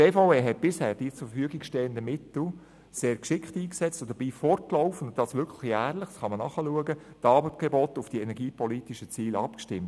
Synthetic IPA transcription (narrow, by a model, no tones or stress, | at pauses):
eːfaʊeːɦɛt̚b̥ɪshæːɾd̥iːt͡sʊɾfəfyəɡɪɡʃtɛːəndəmɪtl̩ | seːɾkʃɪkχtiːksɛt͡std̥əb̥iːfɔrt̚kloʊfənʊntd̥ɑsʋʏɾkʰləχæːrlɪχsχɑmənɑχəluəɡətɑːbətɡ̥ɛbotʊfd̥iɛnɛɾɡiːpʰɔliːtiʃət͡siːlɑ̰pkʃtɪmt